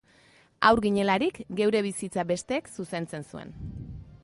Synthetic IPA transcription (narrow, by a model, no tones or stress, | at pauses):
a̰wɾɣiɲe̞laɾikɡe̞wɾe̞βisit͡sabe̞st̪e̞ːksuse̞nt͡se̞nsue̞̰n